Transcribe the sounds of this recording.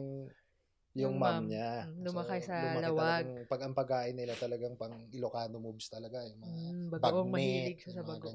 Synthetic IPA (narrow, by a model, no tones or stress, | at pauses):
ŋ | jʊŋmamɲalʊmɐkɐjsɐlmɐlɐw̪aɡŋpɐɡɐŋpɐɡ̚kːaːʔɪnːɪlat̪ɐlɐɡaŋpɐŋɪlokaːnomubst̪ɐlɐɡajʊŋmɐŋabɐɡbɐmɐɛhilɪɡ̚ʃɐsɐbɐɡo